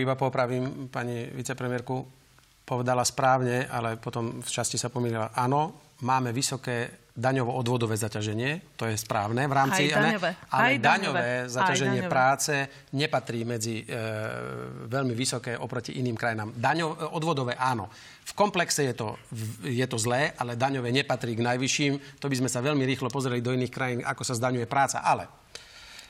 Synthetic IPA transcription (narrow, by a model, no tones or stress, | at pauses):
ibapɔpɾaʋiːmpaɲiʋit͡sɛpɾɛmɪɛɾku | pɔʋɛd̪alaspɾaːʊɲɛalɛpɔt̪ɔmft͡ʃascisapɔmiːlilaʔaːnɔ | maːmɛʋisɔkɛː | d̪aɲɔʋɔʔɔd̪ʋɔd̪ɔʋɛːzacaʒɛɲɪɛt̪ɔjɛspɾaːʊnɛʋɾaːmt͡simɛalɛd̪aɲɔʋʋɛːzacaʒɛɲɪɛpɾaːt͡sɛ | ɲɛpat̪ɾiːmɛd͡zi | ʋɛʎmiʋisɔkɛːʔɔpɾɔcḭʔiniːmkɾajinaːmd̪aɲɔɔd̪ʋɔd̪ɔʋɛːʔaːnɔ | fkɔmplɛksɛjɛt̪ɔjɛt̪ɔzlɛːʔalɛd̪aɲɔʋɛɲɛpat̪ɾiːɡnajʋiʃiːmt̪ɔbizmɛsaʋɛʎmiɾiːxlɔpɔzɾɛlid̪ɔiniːxkɾajiːnʔa̰kɔsazd̪aɲujɛpɾaːt͡sa̰ʔalɛ̰